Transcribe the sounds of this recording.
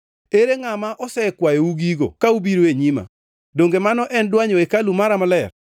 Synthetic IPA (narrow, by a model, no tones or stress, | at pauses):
eɾeŋamaʔɔsɛkwajouɡiɡo̰kaubiɾoeɲima̰ | doŋɡemanɔʔɛndwaɲoekalumaɾamalɛr